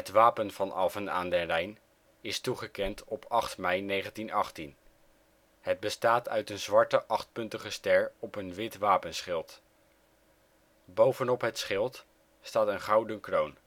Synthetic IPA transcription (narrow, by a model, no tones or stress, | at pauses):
ɦətʋaːpənv̥ɑnʔɑfəna̰ːndərɛjn | ɪstuχəkɛntɔpʰɑχtmɛjnejχəntinɑχtin | həd̚bəstaːtʰœ̰ɥtənzʋɑɹtəʔɑχt̚pɵntəχəstɛɹɔpənʋɪtʋaːpənsχɪlˠt | bowvənɔpɦətsχɪlˠt | staːtənχɑwdənkrown